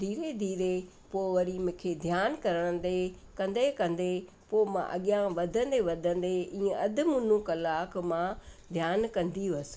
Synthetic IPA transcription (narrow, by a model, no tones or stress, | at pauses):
d̪ʱiːɾed̪ʱiːɾe | poːʋɐɾimʊ̃ːkʰed̪ʱjaːnkɐɾəɽ̃ə̃nd̪ekɐ̃nd̪ekɐ̃nd̪e | poːmã̰ʔɐ̰ɠjãʋɐd̪ʱə̃nd̪eʋɐd̪ʱə̃n̆d̪eĩːə̃ɐd̪ʱɪ̆mʊ̃ːnũkɐlaːkmãd̪ʱjaːnkɐ̃nd̪iɐs̆